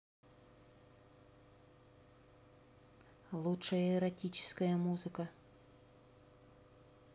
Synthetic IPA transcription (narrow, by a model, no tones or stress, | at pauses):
lˠutʂɐjɐɛɾɐtʲit͡ɕɪ̥skɐjɐmuzɨkɐ